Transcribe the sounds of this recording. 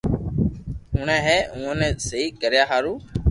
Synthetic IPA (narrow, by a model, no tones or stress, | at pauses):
uːɳɛ̃ːɦɛːũːə̃nɛ̃ːsəiːkəɾjaːɦaːɾuː